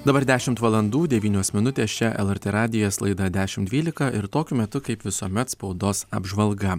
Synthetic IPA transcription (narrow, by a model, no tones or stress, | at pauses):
d̪ɐbɐɾd̪ʲæːʃʲɪmt̪ʋɐlˠɐnd̪uːd̪ʲɛʋʲiːnʲoːsmʲɪnʊt̪ʲeːst͡ʃʲɛʔɛ̰lˠɛɾʲt̪ʲeːɾɑːd̪ʲɪjoːslˠɐɪd̪ɐd̪ʲæːʃʲɪmd̪ʲʋʲiːlʲɪkɐʔɪɾt̪oːkʲʊmʲɛt̪ʊkɐɪpʋʲɪsuɔmʲɛt̪spɒʊd̪oːsɐ̰bʒʋɐlˠɡɐ